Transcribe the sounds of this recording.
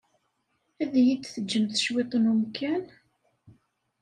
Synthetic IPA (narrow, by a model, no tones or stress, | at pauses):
æðjid̪θəd͡ʒːəmθə̥ʃwet̪ˤənumkæn